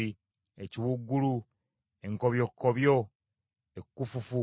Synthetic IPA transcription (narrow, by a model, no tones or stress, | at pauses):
i | eciwuɡːulu | e̞ŋkoβjokːoβjo | ekːufufu